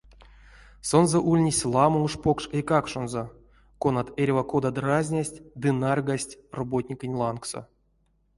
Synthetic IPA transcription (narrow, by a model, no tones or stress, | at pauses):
sonzoʔulʲnʲisʲlˠamɨuʂpokʂejkakʂonzo | konat̪erʲvakod̪ad̪razʲnʲasʲtʲd̪ɨnarɡasʲtʲrobotʲnʲikɨnʲlˠankso̰